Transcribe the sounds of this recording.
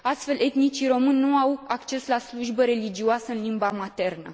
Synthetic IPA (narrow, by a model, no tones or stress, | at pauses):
ast̪fe̞lʔe̞t̪nit͡ʃiɾo̞mɨnʲːuawakt͡ʃe̞slasluʒbəɾe̞lid͡ʒioasəɨnlimbamat̪e̞rnə̰